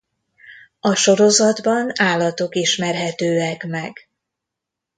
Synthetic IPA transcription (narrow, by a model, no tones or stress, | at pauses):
ɒʃo̞ɾo̞zɒd̪bɒnaːlːɒt̪o̞kiʃmɛrɦɛt̪øːɛkmɛɡ